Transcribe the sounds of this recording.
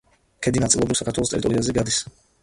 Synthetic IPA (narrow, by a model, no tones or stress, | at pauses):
kʰɛd̪inat̪silˠɔbɾifsakʰaɾt̪ʰwɛlˠɔst̪ʼɛɾit̪ʼɔɾiazɛɡad̪is